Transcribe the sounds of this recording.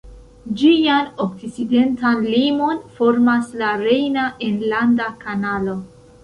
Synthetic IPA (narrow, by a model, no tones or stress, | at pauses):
d͡ʒianok̚t͡sit͡side̞ntanlimo̞nfo̞ɾmaslaɾe̞jnaʔenlandakanalo̞